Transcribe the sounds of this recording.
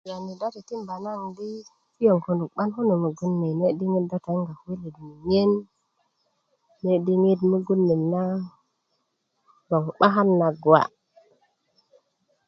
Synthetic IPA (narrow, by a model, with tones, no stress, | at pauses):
ja˨ni˨da˦ti˨ti˦mba˨na˦˨ndi˦ | ti˦jo˨ŋko˨ndu˨kɓa˦nho˦nu˨mu˨ɡu˦nːe˨ne˦ɗi˦ŋi˦tda˦ta˨˦ŋɡa˨˦wi˦li˨dmi˨ɲe˦n | e˦ɗi˦ŋi˦dmu˦ɡu˦nːi˨na˦ | bo˨ŋɓa˦ɦa˦nːa˨ɡwa̰˨